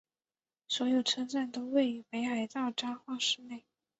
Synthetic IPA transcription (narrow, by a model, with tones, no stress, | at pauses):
swɔ˧˥jo˨˩ʊʈ͡ʂʰɤ˥ŋt͡sa˥˩nt̪o˥ʊwe˥˩ɪy˨˥˩pe˧˥ɪxa˧˥ɪt͡sɑ˥˩ʊʈ͡ʂɑ˥ŋxwa˥˧ʂɻ̩˥˧ne˥˩ɪ